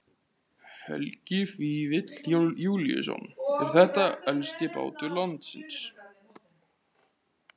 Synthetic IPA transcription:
fœ̰lcɪfiːvɪt̪ljjuːljʏ̰sɔ̰nɛɾ̥θɛht̪aɛlst̪ɪpa̰ːwt̪ʏlant̪sɪ̰ns

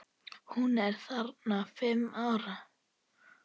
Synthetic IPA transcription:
hunɛɾ̥θaɾt̪nafɪmːaːwɾa

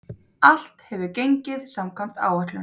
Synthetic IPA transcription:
al̥t̪hɛvʏcejɲcɪðsamkʰvam̥t̪a̰ːwat̪lʏ

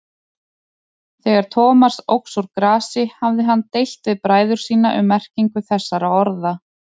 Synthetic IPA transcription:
θɛːɣaɾ̥t̪ʰɔːmḁsowksuɾkɾaːsɪhavðɪɦant̪ejl̥t̪vɪðpɾaːjðʏɾ̥siːnaʔʏ̰mɛr̥ciŋkʏθɛsːaɾawɔɾða

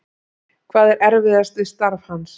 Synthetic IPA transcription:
kʰvaːðɛɾʔɛɾvɪðast̪vɪst̪aɾv̥hans

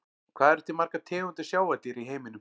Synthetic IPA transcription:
kʰv̥aːðɛɾ̥t̪imaɾ̥kat̪ʰɪːɣʏnt̪ɪ̥sjaːwat̪iɾiɦeːjmɪnʏm

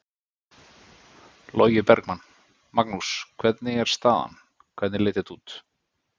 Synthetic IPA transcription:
loːɥjɪpɛɾkmanː | maknuskʰvɛt̪nɪɛɾ̥st̪aːða̰n | kʰvɛt̪nɪlɪjt̪ɪt̪uːt̪

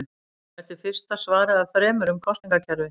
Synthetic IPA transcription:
ɛht̪ɪɾ̥fɪr̥st̪asvaːɾaðaðfɾɛːmʏɾʏmkʰɔst̪niŋkacʰɛɾvɪ

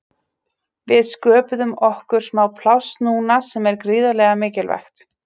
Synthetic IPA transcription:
vɪðskœːpʏðʏmɔhkʏɾ̥smawpʰlawst̪nuːnasɛmɛɾkɾiːðalɛːɣamɪːcɪlvɛ̰jxt̪

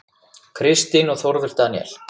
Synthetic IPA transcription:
kʰɾɪst̪ɪnɔɣθɔɾvɪɾ̥t̪anjɛ̰l

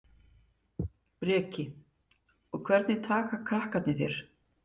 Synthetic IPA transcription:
pɾɛːcɪ | ɔɣkʰvɛɾt̪nɪt̪ʰaːkakʰɾahkat̪nɪθjɛɾ̥

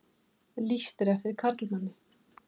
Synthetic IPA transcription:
list̪ɪɾɛft̪ɪɾ̥kʰaɾt̪lmanːɪ

